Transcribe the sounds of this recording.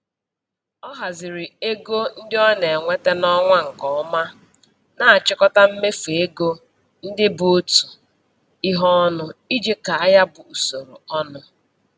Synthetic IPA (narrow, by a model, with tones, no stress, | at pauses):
ɔ˦ɦa˨zɪ˨ɾɪ˨e˦ɡo˦n̩˦dɪ˦ɔ˦ne˨ŋʷe˦te˦nɔ˦ŋʷa˦ŋ̩˨kɔ˨ɔ˦ma˦ | na˨a˨t͡ʃɪ˦kɔ˦ta˦m̩˦me˦fu˨e˦ɡo˦ | n̩˦dɪ˦bu˦o˦tu̥˨ | i˦ɦɔ˦ɔ˦nʊ˦i˦d͡ʒe˦ka˨a˦ja˦bʊ˨u˨so˨ɾṵ˨ɔ˦nʊ˦